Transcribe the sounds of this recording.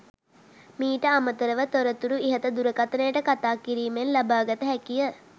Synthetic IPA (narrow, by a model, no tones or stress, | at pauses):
miːʈəamət̪əɾəʋət̪oɾət̪uɾuiɦət̪əd̪uɾəkat̪ənəjəʈəkat̪aːkiɾiːmenlabaːɡət̪əɦɛkijə